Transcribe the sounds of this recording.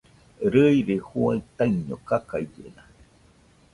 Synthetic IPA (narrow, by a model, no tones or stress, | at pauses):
ɾəiɾehuait̪aiɲokakajd͡ʒḛna